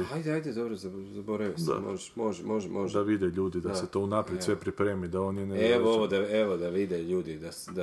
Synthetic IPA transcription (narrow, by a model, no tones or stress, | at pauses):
hajd̪ajd̪ed̪obɾozazaboɾaʋisd̪a̰mo̰ʒeʃmoʒmoʒɛmoʒd̪aʋid̪eʎuːd̪id̪aset̪o̞unapɾjesʋe̞pɾipɾeːmid̪aoːnjeneeooʋod̪aeʋod̪aʋid̪eʎuːd̪id̪asd̪a